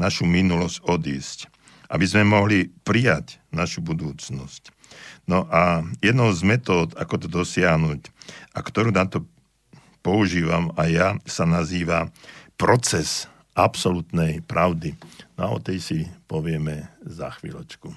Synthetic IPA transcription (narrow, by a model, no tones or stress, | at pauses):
naʃuminulɔscɔd̪iːsc | ʔa̰bizmɛmɔɦlipɾijacnaʃubud̪uːt͡snɔsc | nɔʔajɛd̪nɔʊzmɛt̪ɔːd̪akɔt̪ɔd̪ɔsɪaɦnucʔakt̪ɔɾuːnat̪ɔ | pɔuʒiːʋamajasanaziːʋapɾɔt͡sɛs | ʔapsɔlut̪nɛjpɾʔaʊd̪inɔaɔ̰t̪ɛjsipɔʋɪɛmɛzaxʋḭːlɛt͡ʃku